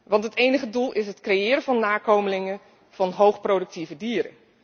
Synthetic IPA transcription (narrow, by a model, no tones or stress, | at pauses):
ʋɑntɦətejnəχədulˠʔɪsɦətkrejɪːɾəvɑnːaːkowməlɪŋən | v̥ɑnɦowχprowdɵk̚tivədiːɾə̰n